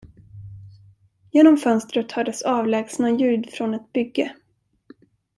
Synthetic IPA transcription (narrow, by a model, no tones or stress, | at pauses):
jeːnɔmfœnst̪ɾət̪hœd̪əsɑːvlɛːɡsnajʉ̟ːd̪fɾɔnɛt̪̚bʏɡːə